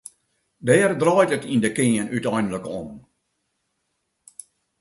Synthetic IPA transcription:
dɛːrdrɔjtətindəkɪənytɔjndələkɔm

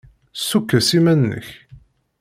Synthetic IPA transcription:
sukːæsimænːə̰ç

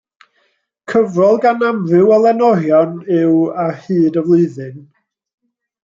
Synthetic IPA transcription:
kʰəvrɔlˠɡanamrɨwɛlˠɛnɔɾjɔnɪwarhɨːdəvlˠɨɨðɨn

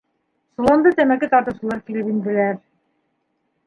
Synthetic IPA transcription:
sulˠond̪ɤt̪emækit̪ɑɾt̪ɯʃɯ̆lˠɑɾkilipind̪ilæɾ

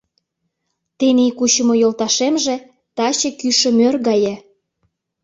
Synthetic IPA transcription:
t̪enikut͡ɕə̆mŏjolt̪ɑʃemʒĕ | t̪ɑt͡ɕĕkyʃə̆mørɣɑjĕ

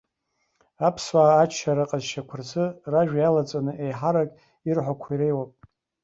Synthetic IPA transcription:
apʰswaːt͡ʃʰaɾaqʼazʃakʷʰʊrzɨraʒᶣjalat͡sʼanɨʔejħaɾakʼ | irħʷakʷʰaiɾe̞jwapʼ

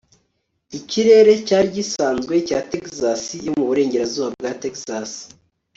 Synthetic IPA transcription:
iciɾe̞ɾe̞caːɾɟisaːnzɡwe̞caːtekzasijo̞muβuɾe̞ːɲɟe̞ɾazuːβab̚ɡatekzasi̥

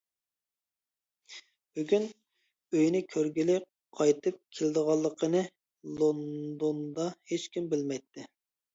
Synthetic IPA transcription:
b̥yɡʲyn | øjnɪkʲʰøɾɡʲilɪ | qʰɑjt̪ʰɨp̚kʲʰelɪd̪əʁɑlˠːəqʰənɨ | lˠond̪ond̪ɑhet͡ʃkʲimbɪlmɛjt̪ʰːɪ

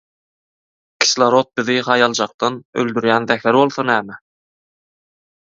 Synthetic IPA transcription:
kʲʰi̥slˠɑɾot̪̚bɪðɪhɑjɑlˠd͡ʒɑq̚t̪ɑnø̰ld̪yɾjænðæxæɾbolˠθɑnæːmæ

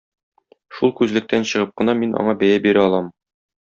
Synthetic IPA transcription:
ʃulˠkʉzlɘ̆k̚t̪ʰænɕɤ̆ʁɤp̚qɤ̆nɑminʔɒ̰ɴɑbæjæbiɾæɒlˠɑm

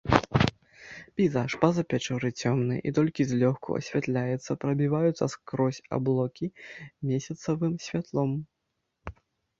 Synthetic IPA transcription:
pʲɛjzaʂpɐzɐpʲat͡ʂɔɾɨt͡sʲɔmnɨ̰ʔḭt̪ɔlʲkʲizʲlʲɔxkʰṵɐ̰sʲvʲat̪lʲajɛt̪sːɐpɾɐbʲivajut̪sɐskɾɔsʲa̰blˠɔkʲimʲesʲɐt̪sɐvɨmsʲvʲat̪lˠɔm

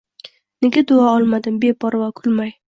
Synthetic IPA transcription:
neɡʲad̪ʊaɒlˠmad̪ɪmbe̞bɒɾvakʰʊlmaj

